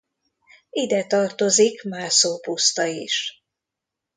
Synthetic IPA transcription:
id̪ɛt̪ɒrt̪o̞zikmaːrsoːpust̪ɒiʃ

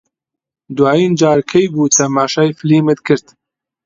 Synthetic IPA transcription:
d̪waːjiːnd͡ʒaːɾkʰɐjbuːt̪ʰɐmaːʃaːjfliːmɨt̪kʰɨɾt̪

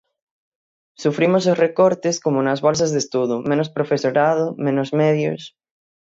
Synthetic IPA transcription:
sufɾimososrekoɾt̪eskomonazβols̬azðest̪uðumẽnospɾofesoɾað̞omẽnozmeðjo̰s

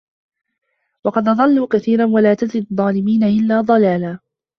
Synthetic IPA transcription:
wɑqɑd̪ʔɑd̪ˤɑlːuːkaθiːɾanwalaːt̪ad̪ɾid̪ˤːɑːlɪmiːnaʔɪlːaːd̪ˤɑlaːlaː

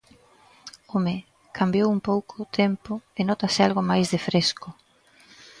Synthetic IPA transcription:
ome | kʰambjowumpowkʰʊt̪ʰempʊenɔt̪asɪalɣomajzðefɾeskʊ

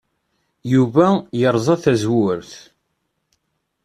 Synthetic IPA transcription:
juvæjəɾˤzˤɑθæzwʊɾθ

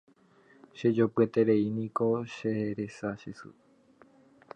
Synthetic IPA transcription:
ʃe̞d͡ʒopɨe̞t̪e̞ɾeinĩko̞ʃeɾe̞saʃesɨ̰

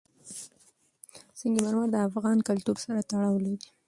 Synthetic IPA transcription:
səŋɡimaɾmaɾd̪əafɣɑnkalt̪uɾsaɾat̪aɽɑwlodi

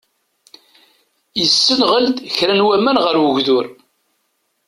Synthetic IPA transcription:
jəsːənʁəld̪çɾænwæmænʁəɾwəʝðʊɾ

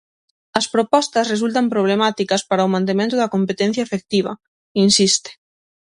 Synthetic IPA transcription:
ɐspɾopɔst̪ɐsres̬ult̪ɐmpɾoβ̞lemat̪ikɐspaɾɐomãnt̪emẽnt̪ʊðɐkompet̪ɛn̟θjɐefek̚t̪iβ̞ɐ̰ | insist̪e̥

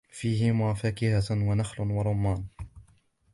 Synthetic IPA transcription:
fiːɦɪmʊafaːkɪhawanaxlwaɾˤʊmːaːn

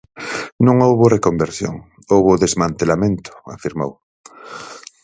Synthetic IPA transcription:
nũŋowβorekombeɾsjo̰ŋ | owβʊðezmãnt̪elamẽnt̪ʊ̥afiɾmo̰w

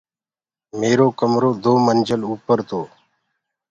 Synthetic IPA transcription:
meːɾoːkəmɾoːd̪oːmənd͡ʒəluːpəɾt̪ʰoː

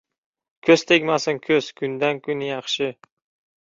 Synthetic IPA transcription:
kʲʰɵz̥t̪ʰekʲmasɪnkʲʰɵz̥kʰʊnd̪ankʰʲʊnjɑχʃɪ

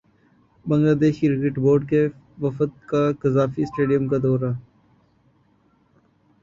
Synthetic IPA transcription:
bɐ̃ŋɡlaːd̪eːʃiɾɪkɪʈboːɾɖ̚ke | ʋɐfət̪̚kakɐzaːfisʈeːɖijəmkad̪ɔːɾa

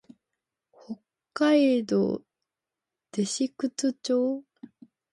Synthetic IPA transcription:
hokːaid̪o̰ | d̪̥e̞ɕikɯ̟t͡sɨt͡ɕoː

